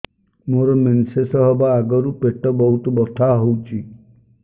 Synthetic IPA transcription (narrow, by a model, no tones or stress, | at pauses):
moɾɔmensesɔɦɔbaːɡɔɾupeʈɔbɔɦut̪ɔbɔt̪ʰaɦowt͡ʃʰi